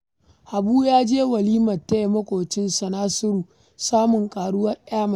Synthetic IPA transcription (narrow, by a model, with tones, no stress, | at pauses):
ʔa˨buː˦jaː˦d͡ʒeː˦wɐ˨liː˦mɐ˨tːa˦e˨mɐ˦kʷoː˨t͡ʃɪ˦nsɐ˨naː˦sʊ˦ɾuː˨ | saː˦mʊ˨ŋkʼaː˨ɽʊ˦wɐ˦rʔaː˦mɐ˨